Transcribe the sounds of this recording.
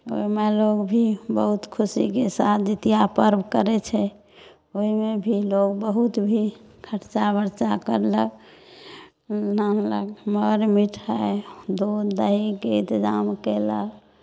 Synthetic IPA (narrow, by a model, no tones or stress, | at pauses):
o̰imeloɡbʱibəɦut̪kʰusikesat̪ʰd͡ʒet̪ijapəɾbʱkəɾɛt͡ʃʰɛ | oimebʱiloɡbəɦut̪bʱi | kʰəʈt͡ʃabəɾt͡ʃakəɾlək | nanlə̰kməɾmiʈʰɦəd̪od̪d̪əɦikeint̪d͡ʒamkelə̰k